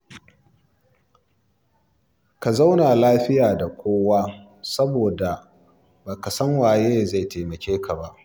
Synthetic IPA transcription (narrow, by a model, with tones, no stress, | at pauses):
ka˨za˦wna˨laː˦ɸɪ˦jaː˨da˨kʷoː˦waː˦ | sɐ˦boː˨da˨ | baː˨ka˨sɐ˦ŋwaː˨jeː˦za˦˨jtʰeː˨mɐ˨kʲeː˦ka˨ba˦ʔ